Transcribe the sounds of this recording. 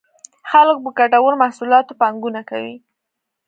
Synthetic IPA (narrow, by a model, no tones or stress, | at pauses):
xalək̚bəkaʈawəɾmahsulɑt̪opɑŋɡunaka̰wi